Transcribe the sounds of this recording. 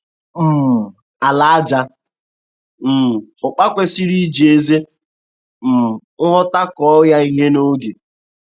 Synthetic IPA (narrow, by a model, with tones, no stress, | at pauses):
m̩˨ | a˨la˨˦a˦d͡ʒa˦ | m̩˨ʊ˨k͡pa˦kʷe˦si˦ɾi˦d͡ʒe˦ze˦ | m̩˨ŋ̩˦ɦɔ˦ta˦kɔ˦ja˦i˨ɦe˦no˦ɡe˨